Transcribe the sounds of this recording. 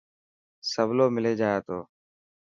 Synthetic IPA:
səbloːmɪleːd͡ʒaːeːt̪o̰ː

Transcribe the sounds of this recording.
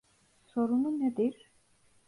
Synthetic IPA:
soɾununɛd̪iɾ

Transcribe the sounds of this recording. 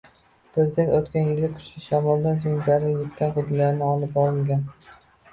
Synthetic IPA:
pʰɾezʲɪd̪e̞nt̪ot̪kʲanjɪlːakʰʊ̥t͡ʃlʲɪʃamɒlˠd̪anzoŋlaɾnɪjet̪kʲanqʊd̪lːaɾnɪɒlˠɪp̚bɒɾɪmɡʲan

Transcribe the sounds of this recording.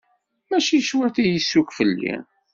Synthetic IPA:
mæʃiʃwæt̪ijəsːukfəlːḭ

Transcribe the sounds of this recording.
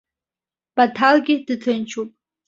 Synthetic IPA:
b̥atʰalɡʲɪdɨtʰɨnt͡ʃʰupʼ

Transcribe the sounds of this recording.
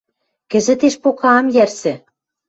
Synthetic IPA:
kɘ̆zɘ̆t̪eʃpokɑːmjærsɘ̆

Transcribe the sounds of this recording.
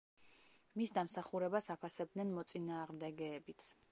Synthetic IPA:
misd̪amsaχuɾɛbasapʰasɛb̚d̪nɛnmɔt̪sʼinaːʁmd̪ɛɡɛːbit̪sʰ

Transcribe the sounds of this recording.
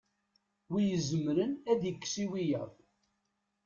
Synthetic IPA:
wijəzəmɾənæðjəkːsiwijəðˤ

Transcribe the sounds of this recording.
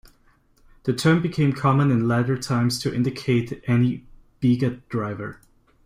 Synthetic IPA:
ðɨtʰɜ̃˞mbɨkʰẽɪ̃mkʰɑmə̃nɨ̃nlæɾə˞tʰãɪ̃mz̥tʰɨʔɪ̰̃ndɨkʰeɪɾʔɛnib̥iɡədɹaɪvə̰˞

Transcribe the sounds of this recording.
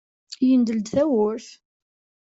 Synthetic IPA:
jənd̪əld̪θæwʊɾθ

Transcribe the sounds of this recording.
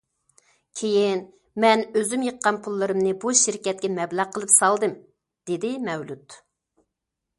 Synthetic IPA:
kʲʰejin | mɛnøzymjəqːɑnpʰulˠːɨɾɨmnɨbuʃiɾkʲɛt̪̚kʲɛmɛblæʁqʰəlˠɨpsɑlˠd̪ɨm | d̪̥ed̪ɪmɛwlut̪

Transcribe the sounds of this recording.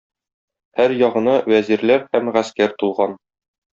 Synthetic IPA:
hæɾjɒʁɤ̆nɑwæziɾlæɾhæmʁæskæɾt̪ulˠʁɑn

